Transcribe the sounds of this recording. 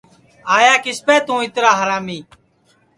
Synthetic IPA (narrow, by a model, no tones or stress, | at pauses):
aːjaːkɪspɛːt̪ũːɪt̪ɾaːɦəɾaːmiː